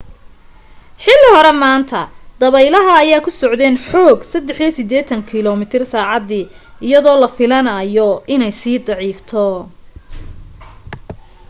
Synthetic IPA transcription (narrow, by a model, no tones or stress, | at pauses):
ħɪlːɪhɔɾɛmaːnt̪ʰɐd̪̥ɐβɛjlɐɦɐːjaːkʰʊsɔʕd̪ɛːnħɔːɡsɐd̪ɛħisɪd̪ɛːt̪ʰɐŋkʰɪlɔmɪt̪ʰɪrsaːʕɑd̪iː | ɪjɐðɔːlɐfɪlɐnɐːjɔɪnɛjsiːd̪ɑʕiːft̪ʰɔ